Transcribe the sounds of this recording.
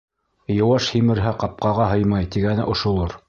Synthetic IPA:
jɤ̆wɑʃhimɘ̆ɾɦæqɑp̚qɑʁɑɦɤjmɑjt̪iɡænɘʔŏʃŏlˠɤɾ

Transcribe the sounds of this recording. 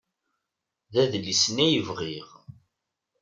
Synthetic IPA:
ðæðlːisənæjəvʁiʁ

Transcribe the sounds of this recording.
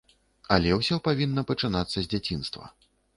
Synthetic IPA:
ɐlʲɛwsʲɔpavʲinːɐpɐt͡ʂɨnat̪sːɐzʲd͡zʲat͡sʲinst̪vɐ̰

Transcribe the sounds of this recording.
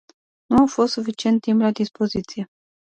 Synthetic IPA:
nuafost̪sufit͡ʃie̞nt̪ːimplad̪ispo̞zit̪sije

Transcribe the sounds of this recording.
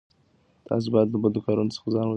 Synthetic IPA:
t̪ʰɑ̰s̬bɑjad̪ləbəld̪əkɑɾunot͡sə̥xazɑnwə

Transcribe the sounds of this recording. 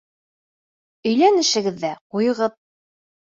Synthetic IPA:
ɵ̆jlænɘ̆ʃɘ̆ɡɘ̆ðːæqujɤ̆ʁɤð

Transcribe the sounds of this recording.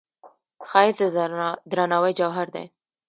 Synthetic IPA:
xɑɪsd̪əd̪ɾanɑwəjd͡ʒawɦaɾd̪ḛ

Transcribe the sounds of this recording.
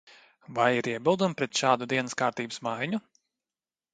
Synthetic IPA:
vajiɾiɛbilˠd̪umpɾɛt̪ʃaːd̪ud̪iɛnəskaːɾt̪iːbɨsmajɲu

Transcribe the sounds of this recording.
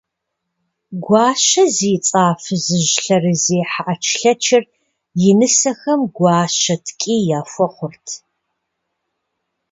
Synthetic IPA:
ɡʷɑːʃɐziːt͡sʼaːfɨzɨʒɬɐrɨzeːħaʔɐt͡ʃʰɬɐt͡ʃʰɪr | jɪnɨsɐxɐmɡʷɑːʃɐtʰkʼiːjaːfʷɔχʷʊrtʰ

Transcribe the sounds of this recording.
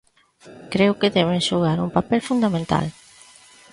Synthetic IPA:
kɾeʊkɪðɛβenʃuɣ̞aɾuŋpapɛlfund̪amẽnt̪a̰l

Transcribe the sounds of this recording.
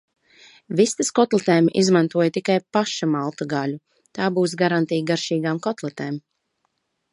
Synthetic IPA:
vist̪askɔt̪lˠɛt̪ɛːmʔizmant̪uɔjt̪ikajpaʃamalˠt̪aɡalʲu | t̪aːbuːs̬ɡaɾant̪iːjɡaɾʃiːɡaːmkɔt̪lˠɛt̪ɛːm

